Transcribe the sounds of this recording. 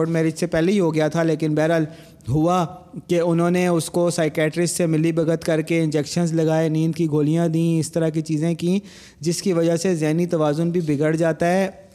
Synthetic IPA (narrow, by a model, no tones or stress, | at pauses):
ɖmɛːɾeɪd͡ʒsepɛːleiɦoɡɐjat̪ʰaleːkɪnbɛːɾəl | ɦʊakeʊnɦõːneʊskosaːɪkɛːʈɾɪssemɪlibɐɡət̪kɐɾkeɪ̃nd͡ʒɛkʃənzlɐɡaːenĩːnd̪kiɡʱoːlijãd̪ĩɪst̪ɐɾakit͡ʃiːzẽkĩː | d͡ʒɪskiʋɐd͡ʒaɦsezɛːɦnit̪ɐʋaːzʊnbʱibɪɡəɽd͡ʒaːt̪aɦɛː